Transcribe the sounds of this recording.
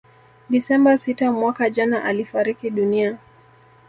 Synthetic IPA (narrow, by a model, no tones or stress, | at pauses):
ɗisɛmbasitamwakaʄanaʔalifaɾikiɗunia